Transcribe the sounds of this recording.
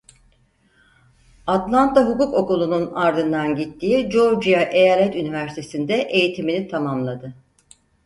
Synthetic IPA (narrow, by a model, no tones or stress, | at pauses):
at̪lˠant̪ʰaɦukuko̞kulˠununaɾd̪ɯnd̪anɟit̪ʰːiːid͡ʒo̞ɾd͡ʒijaʔejaːlʲɛt̪ynivæɾsit̪ʰe̞sind̪ɛʔe̞jit̪ʰiminit̪ʰamamlˠad̪ɯ